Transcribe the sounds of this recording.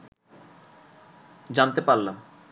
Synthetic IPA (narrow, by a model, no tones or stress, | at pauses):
d͡ʑant̪epaɾlam